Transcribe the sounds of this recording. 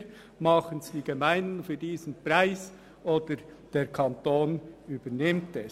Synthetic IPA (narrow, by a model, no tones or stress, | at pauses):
mɑχənsd̥iːɡ̥emaɪndn̩fyːdiːzn̩praɪs | ʔoːd̥əɾd̥eːɾkʰɑntoːnyːbənɪmtɛs